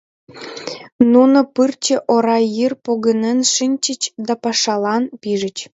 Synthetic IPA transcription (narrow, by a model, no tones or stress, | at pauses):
nunŏpɯrt͡ɕĕʔoɾɑjirpoɣə̆nĕnʂɨnʲt͡ɕə̆t͡ɕd̪ɑpɑʂɑlˠɑnpiʒə̆t͡ɕ